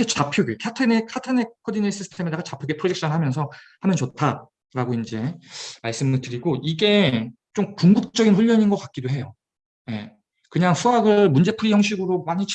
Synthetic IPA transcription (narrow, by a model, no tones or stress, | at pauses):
et͡ɕapʰjoɡekʰatʰɯnekʰatʰɯnekʰːʌdines͈ʰisʰɯ̥tʰemedeɡat͡ɕapʰjoɡepʰɯɾod͡ʑek̚ɕ͈ʰʌnɯɭɦamjʌns̬ʰʌhamjʌnt͡ɕotʰa | ɾaɡoind͡ʑe̞maɭs͈ɯmɯɭtɯɾiɡoiɡe̞t͡ɕomkuŋɡuk̚t͡ɕ͈ʌɡinɸuʎːʌɲinɡʌk͈ak̚k͈idoɦe̞jo | je̞̰ | kɯɲaŋsʰuaɡɯɭmund͡ʑe̞pʰuɾijʌŋɕ̬ʰiɡɯɾomaɲit͡ɕʰ